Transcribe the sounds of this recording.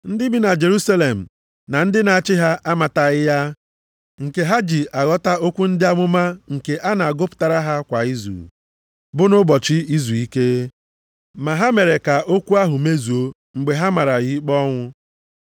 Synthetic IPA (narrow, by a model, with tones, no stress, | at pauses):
n̩˦dɪ˦bi˨na˨d͡ʒe˨ɾu˦sa˦le˨m̩˨ | na˨n̩˦dɪ˦na˨a˨t͡ʃɪ˦ɦa˦ʔa˦ma˨ta˨ɣɪ˦ja˦ | ŋ̩˨ke˨ɦa˦d͡ʒi˨ʔa˨ɣɔ˦ta˦o˦kʷu˦n̩˦dɪ˦a˦ŋʷʊ˦ma˦ŋ̩˨ke˨ʔa˦na˨a˨ɡʊ˦pʊ̥˨ta˨ɾa˦ɦa˦kʷa˨i˦zṵ˨ | bʊ˦nʊ˦bɔ˨t͡ʃɪ˦i˦zu˨i˦ke˦ | ma˨ɦa˦me˨ɾe˨ka˨ʔo˦kʷu˦a˦ɦʊ˨me˦zu˨o˦ | ŋ͡m̩˨ɡ͡be˨ɦa˦ma˨ɾa˨ɣi˦k͡pɔ˦ŋʷʊ˦